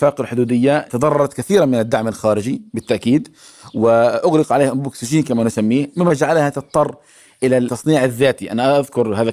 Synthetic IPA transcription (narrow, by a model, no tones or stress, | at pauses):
faːqalħʊd̪uːd̪ɪjːat̪ɑd̪ˤɑrˤːɑɾˤɑt̪kaθiːɾamɪnad̪ːaʕmalxaːɾɪd͡ʒibɪt̪ːaʔkiːd̪ | wɪʔʊɣlɪqʕaleːhʔʊmbuːksɪʒiːnkamanɪsamːiːhmɪmːad͡ʒaʕalhat̪ɨt̪ˤːɑrˤː | ʔɪlaːɑsˤniːʕaðːaːt̪iʔa̰naʔʔaðkʊɾhaːða